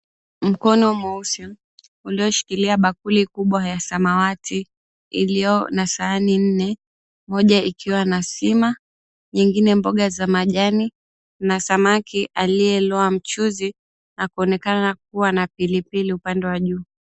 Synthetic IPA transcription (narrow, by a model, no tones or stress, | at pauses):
m̩kɔnɔmausɔ | uliɔʃi̥kiliaɓakulikuɓwajasamawatʰi | ḭlijɔnasaːnin̩nɛ | mɔʄaikʰiwanasima | ɲiŋɡinɛmbɔɠazamaʄani | nasamakiʔaliɛlɔam̩t͡ʃuzi | nakuɔnɛkanak̚uwanapilipiliupandɛwaʄuː